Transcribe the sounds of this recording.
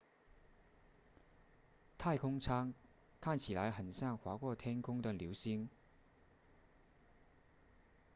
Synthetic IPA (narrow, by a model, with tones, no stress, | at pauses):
t̪ʰa˥˩ɪkʰʊ˥ŋt͡sʰa˥ŋ | kʰa˥˩nt͡ɕʰi˨˩la˨˥ɪxə˨˩nɕja˥˩ŋxwa˨˧˥kwɔ˥˧t̪ʰjɛ˥nkʰʊ˥ŋd̪ə˨ljo˧˥ʊɕi˧˥ŋ